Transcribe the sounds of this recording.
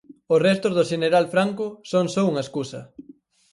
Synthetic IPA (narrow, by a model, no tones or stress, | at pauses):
osrɛst̪ozðʊʃeneɾalfɾaŋkʊsoŋsouŋɐeskusɐ